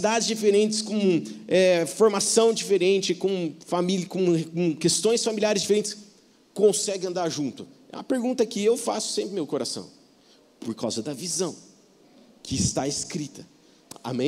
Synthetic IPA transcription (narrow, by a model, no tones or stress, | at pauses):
d̪ad͡ʒɪzd͡ʒifeɾẽnt͡ʃɪ̥skõɛfoɾmasɐ̃w̃d͡ʒifeɾẽnt͡ʃɪkõfamilkõkõkest̪õj̃sfamiliaɾɪzd͡ʒifeɾẽnt͡ʃɪ̥s | kõsɛɡɪɐ̃nd̪aɾʒũnt̪ʊɛ̰ũmɐpeɾɡũnt̪ɐkɪewfasʊ̥sẽmpɾɪmewkoɾasɐ̰̃w̃ | poɾka̰wzɐd̪ɐvizɐ̃w̃ | kɪːst̪aeskɾit̪ɐ | a̰mẽ